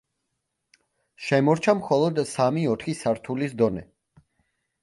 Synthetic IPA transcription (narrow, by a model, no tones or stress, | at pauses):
ʃɛmɔɾt͡ʃʰamχɔlˠɔd̪samiɔt̪ʰχisaɾt̪ʰulisd̪ɔnɛ̰